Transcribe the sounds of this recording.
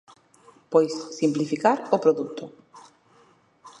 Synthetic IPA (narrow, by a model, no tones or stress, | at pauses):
pojsːimplifikaɾʊpɾoðut̪ʊ